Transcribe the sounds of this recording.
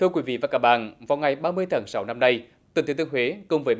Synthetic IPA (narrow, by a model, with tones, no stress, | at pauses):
t̪ʰɨ˧əkwi˨˦vḭ˧˨vaː˨˩kaː˦˥k̚ɓa̰ː˧˨nvaː˨˩wŋa˨˩jɓaː˧mɨ˧əjt̪ə˧˩ŋsa˨˦wna˧mna˧j | t̪ɨ˨˩t̪ʰi˨˦t̪ɨ˧əŋhwe˨˦kə˧wŋ͡mvəː˨˦